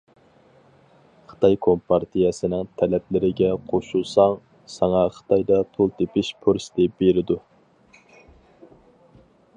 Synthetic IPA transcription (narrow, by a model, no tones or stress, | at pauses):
χə̥t̪ʰɑjkʰompʰɑɾt̪ʰijɛsɪnɪŋt̪ʰɛlɛplɪɾɪɡʲɛqʰoʃulˠsɑŋ | sɑŋɑχə̥t̪ʰɑjd̪ɑt̪ʰolˠt̪ʰepɪʃpʰuɾsd̪ɪb̥eɾɪd̪u